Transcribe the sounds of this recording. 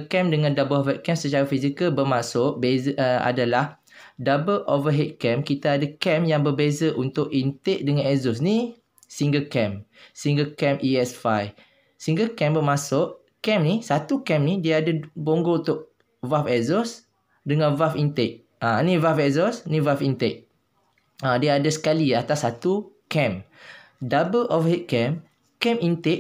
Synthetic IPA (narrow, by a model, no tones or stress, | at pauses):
kɛmdəŋãndabəlofɛt̪̚kɛmsət͡ʃaɾafizikəlbərmãsʊʔbezəa̰dalah | dabəlʔovəɦɛt̪̚kɛmkit̪aːdakɛmjaŋbərbezaʔunt̪ʊʔint̪eʔ̚dəŋãnɛzɔs̬ni | siŋɡəkɛmsiŋɡəkɛmʔiɛsfaj | siŋɡəkɛmbəmãsʊʔ | kɛmnisat̪ukɛ̃mnidiaadəboŋɡount̪ʊʔ̚ | vafɛzɔs | dəŋãnvafint̪ɛʔ̚ | ʔãnĩvafɛzɔsnĩvafint̪ɛʔ̚ | ãdiadəsə̥kaliat̪asːat̪ukɛ̃m | dabəlʔɔvəɦit̪̚kɛm | kɛmint̪ɛʔ